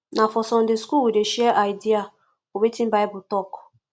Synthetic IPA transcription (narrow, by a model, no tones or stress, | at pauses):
nafɔsɔn̩dɪskuwedeʃieʔaɪdia | owetim̩baɪbʊtɔkʊ̥